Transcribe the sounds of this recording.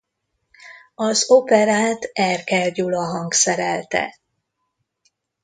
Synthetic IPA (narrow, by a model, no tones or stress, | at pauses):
ɒzopɛɾaːt̪ɛrkɛrɟulɒɦɒŋɡsɛɾɛlt̪ɛ̰